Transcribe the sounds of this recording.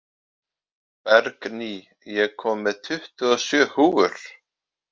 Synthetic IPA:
pɛɾkni | jɛɣkʰɔːmːɛðt̪ʰʏht̪ʏɔsjœːhuːɣʏɾ̥

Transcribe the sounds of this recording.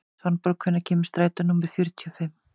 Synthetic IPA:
vanpɔɾkʰvʏnaɾcʰɛːmɪst̪ɾaːjt̪anumːɛɾ̥fjœɾt̪ʰiɔfɪm

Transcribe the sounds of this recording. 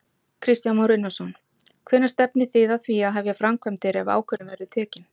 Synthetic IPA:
kʰɾɪst̪janmawɾɪnːasɔn | kʰvɛnːast̪ɛpnɪθɪðaθviaðɦavjɛfɾamkʰvœmt̪ɪɾɛva̰ːwkʰœnːʏmvɛɾðʏt̪ʰɛːcɪn

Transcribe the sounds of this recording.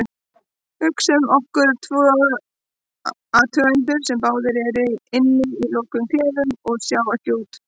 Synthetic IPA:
ʏhksɛmɔhkʏɾt̪ʰvɔː | at̪ʰœajnt̪̬ʏɾ̥sɛmpaːwðɪɾɛɾɪɪnːɪilowkʏmfɛːðʏmɔɣsjaːwat̪joːwt̪

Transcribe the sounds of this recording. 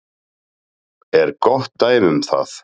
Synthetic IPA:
ɛɾkɔht̪ːaːjðʏmθa̰θ

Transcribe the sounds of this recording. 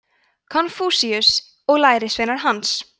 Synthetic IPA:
kʰɔnfuːsiʏs | ɔɣlaːjɾɪsveːnaɾ̥ɦans

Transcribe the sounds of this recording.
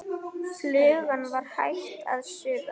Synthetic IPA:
flʏːɣanvaɾ̥hajht̪t̪a̰ðsʏːða

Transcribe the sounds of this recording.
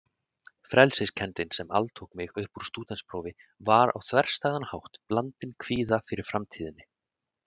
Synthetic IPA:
fɾɛlsɪscʰɛnt̪ɪnsɛma̰lt̪ʰowkmɪɣœhpuɾ̥st̪uːt̪ɛnspɾoːwvɪvaɾa̰wθvɛr̥st̪aːɣðanhawht̪plant̪ɪnkʰviːðafɪɾɪɾ̥fɾamt̪ʰiːðɪnːɪ

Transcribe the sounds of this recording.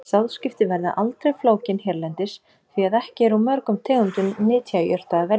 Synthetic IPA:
sawðscɪft̪ɪvɛɾða̰ʔalt̪ɾejfloːwcɪnhɛɾlɛnt̪ɪs | θviaðɛhcɪɛɾamœɾkʏmt̪ʰɛːɣʏnt̪ʏnːɪːt̪ʰjajœr̥t̪aðavɛɾ

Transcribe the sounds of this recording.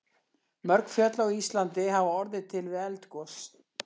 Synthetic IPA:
mœɾkfjœt̪laɣist̪lant̪ɪɦavaɔɾðɪt̪ʰɪlvɪɛlt̪kɔs

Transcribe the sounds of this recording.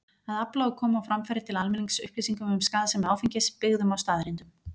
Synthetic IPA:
aðaplaːwkʰɔːmawfɾamfɛɾɪt̪ʰɪlalmɛniŋksʏ̰hpliːsiŋkʏmʏmskaːðasɛmaːwfiɲcɪspɪɣðʏmawst̪aːðɾɪnt̪ʏm

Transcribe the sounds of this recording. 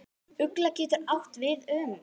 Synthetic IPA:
ʏklacɛːt̪ʏɾawht̪vɪðʏːm

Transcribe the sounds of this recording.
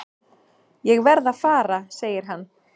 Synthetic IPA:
jɛɣvɛɾðaðfaːɾaseːjɪɾ̥ɦanː

